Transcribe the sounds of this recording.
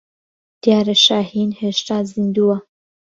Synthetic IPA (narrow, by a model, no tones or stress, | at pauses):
d̪̥jɑːɾeʃaːhinheʃt̪aːzind̪uwa